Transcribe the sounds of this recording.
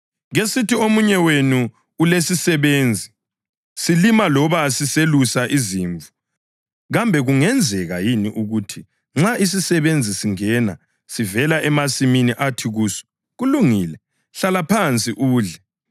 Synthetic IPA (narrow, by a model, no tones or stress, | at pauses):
ɣesitiomuɲɛwenuː | lesisɛβeːnd͡zʱi | silimalɔβasiselusaʔiziːɱvu | ɣambʱɛɣuŋɛnd͡zʱɛɣa̰jiniʔuɣutʰi | ŋ͡ǁais̬isɛβend͡zʱisiŋɛna̰ | sivɛlaʔɛmasiminiʔatʰiɣuːsɔ̥ | ɣuluŋiːlɛ | ɬalapʰant͡sʼiʔuːɮɛ